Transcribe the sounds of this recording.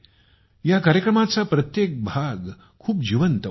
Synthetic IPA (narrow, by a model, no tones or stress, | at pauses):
jakaɾjəkɾəmat͡sapɾət̪jek̚bʱaɡ | kʰuːp̚d͡ʑiʋənt̪ə